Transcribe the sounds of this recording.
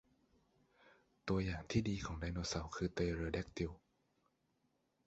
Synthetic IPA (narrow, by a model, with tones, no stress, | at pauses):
t̪u˧ɐjaː˨˩ŋt̪ʰiː˥˩diː˧kʰɔː˩˦ŋda˧jnoː˧sa˨˦wkʰɯː˧t̪eː˧ɾɤː˧dɛ˦˥˩k̚t̪i˧w